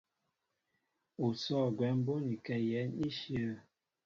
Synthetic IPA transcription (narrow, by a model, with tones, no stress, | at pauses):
o˨sɔː˦˨ɡwɛ˨˦m˦bo˦ni˨kɛ˨jɛ˨˦ni˦ʃjə˦˨